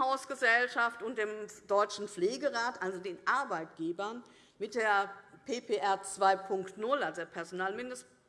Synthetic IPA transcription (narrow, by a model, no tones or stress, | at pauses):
haʊsɡ̥əzɛlʃaftʊnt̚d̥eːmd̥ɔʏt͡ʃn̩fleːɡəʁaːtʔalzodeːnʔaɐbaɪtɡ̥eːbɐn | mɪt̚d̥eːɐpʰeːpʰeʔɛɐt͡sv̥aɪpʰʊŋktnʊlalzodeːɐpʰɛɐzonaːlmɪndəst